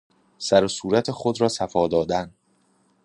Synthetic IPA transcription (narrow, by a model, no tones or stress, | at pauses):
sæɾosuːɾæt̪ʰexod̪ɾɒːsæfɒːd̪ɒːd̪æn